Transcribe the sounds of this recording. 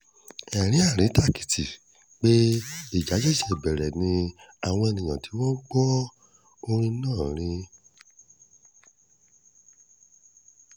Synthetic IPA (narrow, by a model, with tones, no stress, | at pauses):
ɛ˨ɾ̃ĩ˨˦a˦˨ɾ̃ĩ˨˦ta˦˨ki̥˨˦ti˨ | k͡pe˦i˨d͡ʒa˨˦d͡ʒɛ˦ʃɛ˨bɛ˨ɾɛ˨nĩ˧a˨w̃ɔ̃˧e˧nĩ˨j̃ã˨ti˨˦wɔ̃˦ɡ͡bɔ˦ | o˧ɾ̃ĩ˦nãː˦˨ɾ̃ĩ˧